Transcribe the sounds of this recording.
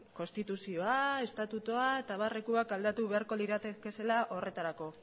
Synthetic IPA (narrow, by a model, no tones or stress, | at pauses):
ko̞nst̪it̪usio̞ae̞st̪at̪ut̪oae̞t̪aβare̞kuakald̪at̪uβeaɾko̞liɾat̪eke̞se̞laʔo̞re̞t̪aɾako̞